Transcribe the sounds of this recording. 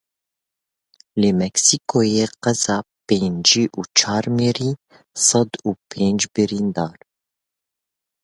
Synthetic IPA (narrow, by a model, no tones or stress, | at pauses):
lemɛksiːkʰoːjeqɛzɑːpeːnd͡ʒiːʔuːt͡ʃʰɑːɾmeɾiː | sɑd̪uːpʰeːnd͡ʒbɪɾiːnd̪ɑːɾ